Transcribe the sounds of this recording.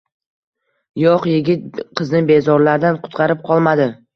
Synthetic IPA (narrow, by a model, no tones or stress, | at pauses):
jɒqjɪɡʲɪt̪̚qʰɨznɪbe̞zɒɾlaɾd̪anqʰʊ̥t̪qʰɑɾɪp̚qʰɒlˠmad̪ɪ